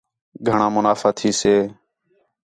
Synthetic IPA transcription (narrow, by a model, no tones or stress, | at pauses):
ɡʱəɳãːmʊnaːfaːt̪ʰiːseː